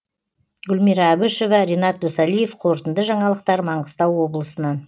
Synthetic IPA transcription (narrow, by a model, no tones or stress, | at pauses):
ɡʲʏlmiɾɑːbʊʃo̞vɑɾʲenɑt̪̚d̪osɑlˠije̞fqʰo̞ɾt̪ənd̪əʒɑɴɑlˠəq̚t̪ɑɾmɑɴʁə̥st̪ɑwːo̞bəlˠəsənɑn